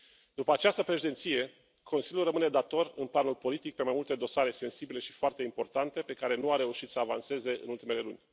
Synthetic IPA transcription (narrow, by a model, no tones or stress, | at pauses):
d̪̥upəat͡ʃast̪əpɾe̞ʃid̪et̪sije̞ | kʰo̞nsilʲjulrəmɨne̞d̪at̪o̞rɨ̰nplanulpo̞lit̪ik̚pe̞majmult̪e̞d̪o̞saɾe̞se̞nsibile̞ʃifoart̪e̞impo̞rt̪ant̪e̞pe̞kaɾe̞nuaɾe̞uʃit̪səavanse̞ze̞ɨ̰nult̪ime̞le̞lunʲ